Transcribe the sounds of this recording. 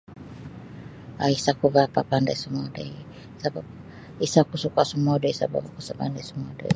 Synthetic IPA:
aisakuβapapandasumɔdai | sabab | isakusukasumɔdɔisa̰ba̰bakusabandasumɔdɔ̰i

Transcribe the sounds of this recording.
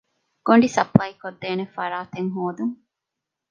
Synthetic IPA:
ɡ̥oɳɖisɐplɐjikod̪ːeːnefɐɾaːt̪eŋɦoːd̪uŋ

